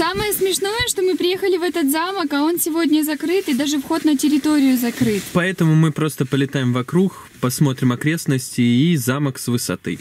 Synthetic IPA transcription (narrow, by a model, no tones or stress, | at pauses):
saməjəsmʲɪʂno̞jəʂt̪o̞mɨpɾʲɪjexəlʲɪvɛt̪ət̪zaməkɐo̞nsʲɪvo̞dʲnʲəzɐkɾɨt̪ɨd̪aʐɨfxo̞t̪nətʲɪɾʲɪt̪o̞ɾʲɪjʊzɐkɾɨt̪pɐɛt̪əmʊmɨpɾo̞st̪əpəlʲɪt̪ajɪmvɐkɾux | pɐsmo̞t̪ɾʲɪmɐkɾʲe̞snəsʲtʲɪːzaməksvɨsɐ̰t̪ɨ̰